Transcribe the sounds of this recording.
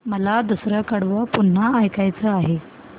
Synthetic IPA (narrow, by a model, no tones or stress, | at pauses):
məlad̪usɾəkəɽʋəpuɳ̤ːaːjkajt͡səaɦe